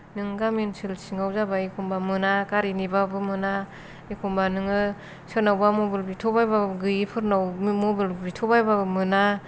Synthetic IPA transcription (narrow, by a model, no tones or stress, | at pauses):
nɯŋɡaminsilsiŋɡawzabaikʰumbamɯnakaɾinibabɯmɯna | ikʰumbanɯŋɯ | sɯnawbamobilbitʰɔbajbaɡɯjipʰɯɾnawmobilbitʰɔbajbamɯna